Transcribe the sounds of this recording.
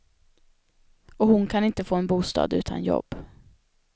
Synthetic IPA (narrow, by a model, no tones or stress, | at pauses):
ɔhʊnkʰanɪnt̪əfoːɛnbuːst̪ɑ̰ːd̪ʉ̟ːt̪ʰa̰njɔ̰bː